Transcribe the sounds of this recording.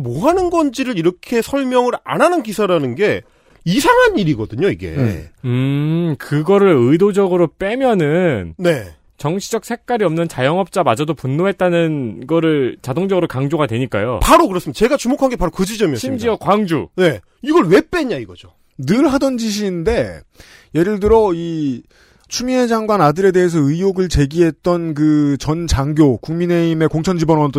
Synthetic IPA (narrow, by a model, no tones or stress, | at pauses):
moɦanɯnɡʌnd͡ʑiɾɯɾiɾʌkʰe̞sʰʌɭmjʌŋɯɾa̰nanɯnkisʰaɾanɯnɡe̞ | isʰaŋɦaniɾiɡʌdɯɲoiɡe̞̰ɯkɯɡʌɾɯɭɯdod͡ʑʌɡɯɾop͈e̞mjʌnɯnne̞ | t͡ɕʌŋɕʰid͡ʑʌk̚sʰe̞k̚k͈aɾiʌmnɯnt͡ɕajʌŋʌp̚t͡ɕ͈amad͡ʑʌdopunːoɦe̞t̚t͈anɯnɡʌɾɯɭt͡ɕadoŋd͡ʑʌɡɯɾokaŋd͡ʑoɡadweɲik͈a̰jo̰paɾokɯɾʌs͈ɯmidat͡ɕe̞ɡat͡ɕumokʰanŋɡepaɾokɯd͡ʑid͡ʑʌmiʌɕʰimd͡ʑiʌkwaŋd͡ʑṵne̞ | iɡʌɭwe̞p͈e̞ɲaiɡʌd͡ʑo | nɯɭɦadʌnd͡ʑiɕ̬ʰiːnde̞ | je̞ɾɯɭdɯɾʌi | t͡ɕʰumined͡ʑaŋɡwanadɯɾe̞de̞ɦes̬ʰʌɯijoɡɯɭt͡ɕe̞ɡiɦe̞t̚t͈ʌnkɯt͡ɕʌnt͡ɕaŋɡjokuŋmine̞ime̞koŋt͡ɕʰʌnd͡ʑibʌnʌt͈